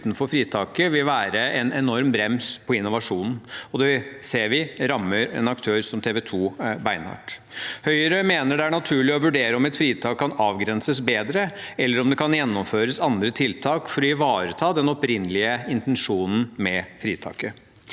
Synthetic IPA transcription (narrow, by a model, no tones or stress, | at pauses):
t̪n̩fɔɾfɾiːt̪ʰɑːkəʋɪlʋæːɾəɛnɛnɔɾmbɾɛmspʰɔɪnːʊʋɑʂuːnn̩ɔd̪ɛʋɪseːɾʋɪɾɑmːəɾɛ̰nɑkt̪ʰøːɾsɔmt̪ʰeːʋɛt̪ʰuːbæɪnɑ̰ːʈhœʏəɾəmeːnəɖɛæɳɑt̪ʰʉːɭɪɔʋʉɖeːɾəɔmɛt̪fɾiːt̪ʰɑːkʰːɑnɑːʋɡɾɛnsəsbeːd̪ɾə | ɛlːəɾɔmd̪ɛkʰɑnjɛnːɔmføːɾəsɑnd̪ɾət̪ʰɪlt̪ʰɑːkfɔɾɔɪʋɑːɾət̪ʰɑːd̪ɛnɔpɾɪnːlɪəɪnt̪ɛnʂuːnn̩mɛfɾiːt̪ʰɑ̰ːkə